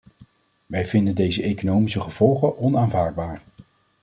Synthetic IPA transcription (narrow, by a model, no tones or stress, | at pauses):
ʋɛjvɪndəndejzəʔejkonowmisəχəv̥ɔlˠχəʔɔnaːnvaːɹd̚baːɹ